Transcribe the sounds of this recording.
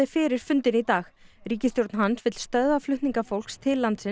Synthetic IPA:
ɪfɪːɾɪɾ̥fʏnt̪ɪnit̪aːxriːcɪst̪jowɾt̪nɦansvɪt̪l̥st̪œððaflʏht̪niŋkafowl̥kst̪ʰɪlːant̪sɪ

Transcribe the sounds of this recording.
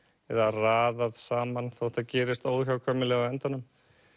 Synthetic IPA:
ɛðaraːðaðsaːmanθow̥t̪acɛːɾɪst̪oːwðçjawkʰvœːmɪlɛɣaɛnt̪anʏm

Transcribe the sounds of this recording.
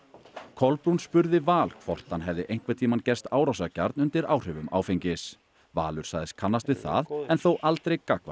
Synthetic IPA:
kʰɔlpɾunspʏɾðɪvaːlkʰvɔr̥t̪hanɦɛvðɪʔejŋ̥kvat̪ʰiːmancɛst̪aːwɾawsaca̰ɾt̪nʏnt̪ɪɾaːwr̥ʏvʏma̰ːwfejɲcɪs | va̰ːlʏɾ̥sa̰ːɣðɪskʰanːast̪vɪðθa̰ðɛnθowʔalt̪ɾejkakva̰

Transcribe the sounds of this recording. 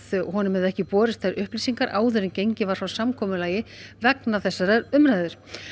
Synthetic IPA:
ðɦɔnʏmɛðɛhcɪpɔːɾɪst̪ʰaɾʔʏhplisiŋkaɾʔaːwðʏɾɪncejɲcɪvaɾ̥fɾawsamkʰɔːmʏlaːjɪvɛknaθɛsːaɾaɾʏmɾaːjðʏɾ̥

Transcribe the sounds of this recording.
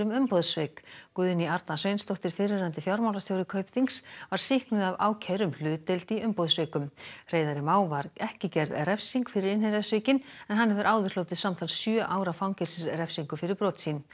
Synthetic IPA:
ɾʏmʏmpoðsvɪːkkʏːðɪniaɾt̪nasvejnst̪owht̪ɪɾ̥fɪrɪɾant̪ɪfjawɾmawlast̪jaːwɾɪkʰœɥpðiŋksvaɾ̥sɪhknʏðavaːwcʰɛɾʏml̥ʏːt̪elt̪iʔʏmpɔðsvɪːkʏmr̥eːjðaɾɪmaːwvaɾɛhcɪcɛɾðrɛfsiŋkfɪɾɪɾɪnhɛɾasvɪːcɪnɛnɦanːɛvɪɾʔaːwðɪr̥lowt̪ɪðsamt̪ʰalsjœːʔaːwɾawfawŋcɛlsɪsrɛfsiŋkʏfɪɾɪɾpɾɔːt̪sin

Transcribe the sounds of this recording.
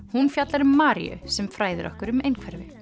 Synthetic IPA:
hunfjat̪laɾʏmːaːɾḭʏ̰sɛmfɾaːjðʏ̰ɾʔɔ̰hkʏɾʏmejnkʰvɛɾvɪ

